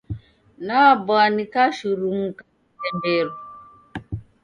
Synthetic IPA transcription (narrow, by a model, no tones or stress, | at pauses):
nabɔanikaʃuɾuŋ̩ka | ɛmeɾu